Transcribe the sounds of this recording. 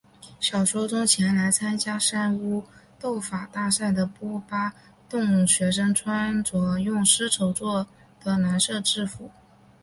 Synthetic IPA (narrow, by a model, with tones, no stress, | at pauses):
ɕjɑ˨˩ʊʂwɔ˥ʈ͡ʂʊ˥ŋt͡ɕʰjɛ˧˥nla˧˥ɪt͡sʰa˥nt͡ɕja˥ʂa˥nu˥t̪o˥˩ʊfa˨˩t̪a˥˧sa˥˩ɪd̪ə˩pwɔ˥pa˥ | t̪ʊ˥˩ŋɕɥɛ˧˥ʂə˥ŋʈ͡ʂʰwa˥nt͡swɔ˨˩jʊ˥˩ŋʂɻ̩˥ʈ͡ʂʰo˧˥ʊt͡swɔ˥˩ | d̪̥ə˩na˧˥nʂɤ˥˧ʈ͡ʂɻ̩˥˩fu˨˩˦